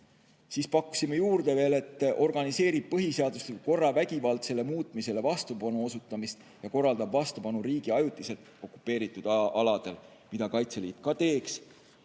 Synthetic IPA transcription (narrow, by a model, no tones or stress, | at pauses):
siːspɑkːˑu̥simːejuːrd̪̥e̞ve̞ːle̞t̪ːo̞rɡ̥ɑnise̞ːɾib̥̚pɤɦiseɑd̪̥ust̪elko̞rːɑvæɡ̥ʲivɑlt̪se̞le̞muːt̪ˑmise̞le̞vɑst̪upɑnuo̞sut̪ːˑɑmist̪ | jɑko̞rːɑld̪ɑbvɑst̪upɑnuɾiːɡ̥iɑjut̪ˑːise̞t̪o̞kːˑu̥pːˑe̞ːɾit̪ːˑud̪ɑlɑd̪̥e̞l | mid̪ɑkɑjt̪seliːt̪̚kɑt̪e̞ːks